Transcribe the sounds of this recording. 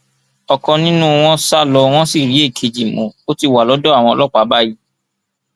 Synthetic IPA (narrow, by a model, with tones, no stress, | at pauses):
ɔ˨kɔ̃˧nĩ˦nũ˦w̃ɔ̃˦sa˦lɔ˧w̃ɔ̃˦si˦˨ɾi˨˦e˦˨kʰe˧d͡ʒi˨mõ˨o˦ti˧wa˨lɔ˨˦dɔ˦a˦˨w̃ɔ̃˧ɔ˧lɔ˦k͡pa˨˦ba˦ji˨˦